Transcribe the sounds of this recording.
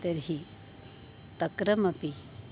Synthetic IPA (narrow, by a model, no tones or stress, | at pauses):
t̪ɐɾɦi | t̪ɐkɾɐmɐpi